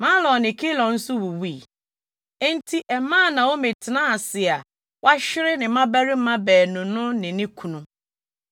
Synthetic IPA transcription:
mã˦lɔ̃˨nɪ̃˨kʰi˦lɔ̃˨n̩˦sʊ˦wu˨wi˦˨ | e˦n̩˦tʰi˦ʔɛ˨mãː˦˨nã˨o˦me˨tʰɪ˨nã˦a˨sɪ˨a˨ | wʔa˦ɕɪ˦ɾɪ˦nɪ̃˨mã˦bæ˦ɾɪ˦m̩˦mã˦bɛː˨nʊ̃˨nʊ̃˦nɪ̃˨nɪ̃˦kʰu˨nũ˨

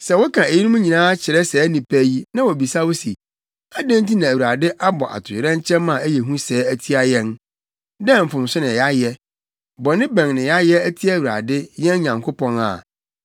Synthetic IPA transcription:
sɛ˨wɔ˦kʰã˨e˨ji˦nũ˦m˦ɲĩ˨nãː˦t͡ɕʰɪ˨ɾɛ˦sɛː˦nĩ˨pʰæ˦ji˦nã˦wɔ˨bi˨sa˦wʊ˦si˨ | a˦dæ̃˦nt̬i˦nã˨æ˨wu˨ɾa˨dɪ˦ʔa˦bɔ̰˨ʔa̰˨tʰʊ˨ɾɛ̃˦ɲ˦t͡ɕʰɛ̃˦mmã˨æ˦jɛ˨ɦũ˦sɛː˨˦æ˦˨tʰi˦a˦jɛ̃˦n | dɛ̃˦m̩˨fʊ̃˨m˨sʊ˦nɪ̃˨ja˦jɛ˦ | bɔ˨nɪ̃˦bæ̃˨ŋnɪ̃˨ja˦jɛ˦æ˦tʰi˦a˦˨wu˨ɾa̰˨dɪ˦jɛ̃˦n˦ɲã˨ŋkʰo˦pʰɔ̃˦na̰˨

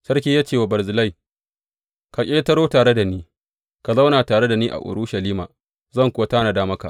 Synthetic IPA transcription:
sɐ˦rk̬ʲiː˦jaː˦t͡ʃeː˦˨wa˨bɐ˨ɾzɪ˨la˦˨j | ka˨kʲʼeː˦tɐ˦ɾoː˦taː˨ɽe˦da˨niː˦ | ka˨za˦wnaː˨taː˨ɽe˦da˨niː˦ʔa̰˨ʔʊ̰˨ɽu˦ʃɐ˨liː˦ma̰ː˨ | zɐ˦˨ŋkʷʊ˦wa˦taː˦na˨daː˦mɐ˦ka̰˨

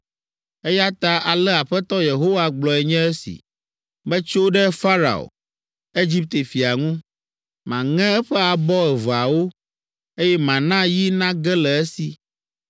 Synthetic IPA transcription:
ɛ˦ja˦t̪a˦a˨lɛ˦a˨ɸɛ˦t̪ɔ˦je˨ɦo˦wa˨ɡ͡blɔ˨ɛ˨ɲɛ̃˦ɛ˦sḭ˨ | bɛ˦t͡ʃo˦ɖɛ˦fa˦ɾa̰˨o̰˨ | e˦d͡ʑi˦p̚t̪e˨fi˨a˨ŋũ˦ | mã˨ŋɛ̃˦ɛ˦ɸɛ˦a˨bɔ˦ɛ˨va˨wo˦ | e˦jɛ˦mã˨nã˦ji˦nã˦ɡɛ˦lɛ˨ɛ˦si˨

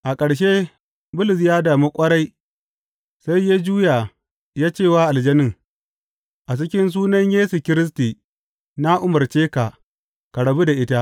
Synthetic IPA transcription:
ʔa˨kʼɐ˨ɽʃ̬e˦ | bʊ˦lʊ˨s̬jaː˦daː˨mu˦kʷʼɐ˦ɽa˦j | sa˦jjeː˦d͡ʒuː˦ja˨ | jaː˦t͡ʃeː˦˨waː˦ʔa˨ld͡ʒɐ˦nɪ˦˨ŋ | ʔa˨t͡ʃɪ˦kʲɪ˦ns̬uː˦nɐ˦ɲjeː˦su˨kʲɪ˦ɾɪ˦s̬tiː˨ | na˦ʔʊ˦mɐ˨rt͡ʃeː˦ka˨ | ka˨ɽɐ˨bu˦da˨ʔɪ˦ta˦ʔ

